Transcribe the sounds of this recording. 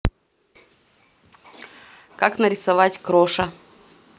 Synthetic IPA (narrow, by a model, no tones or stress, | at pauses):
kaknəɾʲɪsɐvatʲkɾoʂə